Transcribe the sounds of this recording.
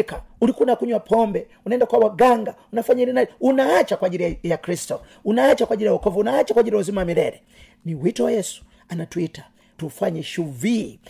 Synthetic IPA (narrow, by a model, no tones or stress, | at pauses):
kaulikunakuɲwapʰɔmbɛ | unɛndakwawaɡaŋɡa | unafaɲailinaunaat͡ʃakwaʄiɾijakɾistɔ | unaat͡ʃakwad͡ʒiɾijaɔkɔvuunaat͡ʃakwaʄiɾiɔzimamilɛ̰ɾɛ | niwitɔwajɛsu̥ | anatuita | tufwaɲɛʃuvi